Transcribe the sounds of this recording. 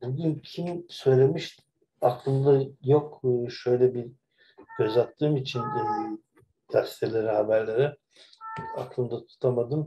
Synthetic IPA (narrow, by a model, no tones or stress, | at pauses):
buɟʲyncʰimsø̞jlʲe̞miʃt̪ | aklˠɯmd̪ajo̞kːʃø̞jlʲɛbi̥ | ø̞zat̪ʰːɯːmit͡ʃʰinː | d̪̥ast̪ʰelʲeɾihabæɾlʲe̞ɾi | a̰klˠɯmd̪at̪ʰu̥t̪ʰamad̪ɯm